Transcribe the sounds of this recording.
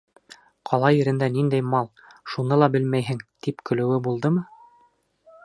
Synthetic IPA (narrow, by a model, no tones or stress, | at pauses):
qʰɑlˠɑjɘ̆ɾɘ̆nd̪ænind̪æjmɑlˠ | ʃunɤlˠɑbɘlmæjɦɘŋt̪ipkɵ̆lɘ̆wɘbulˠd̪ɤmɤ